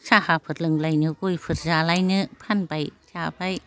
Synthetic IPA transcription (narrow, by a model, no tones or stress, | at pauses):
sʰahapʰɯt̪̚lɯŋlajnɯkujpʰɯt̚zalajnɯpʰanpajt͡ʃapaj